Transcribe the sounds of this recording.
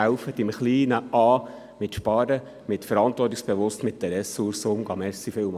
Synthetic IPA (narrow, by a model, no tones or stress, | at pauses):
æwfətɪmχliːnəɑː | mɪt̪ʃpɑːɾə | mɪt̪fəɾɑnt̪ʋɔrtiksb̥eʋʊst̪mɪt̚d̥ɛɾɛsuɾsʊmɡ̥ɑmɛɾsifɪwm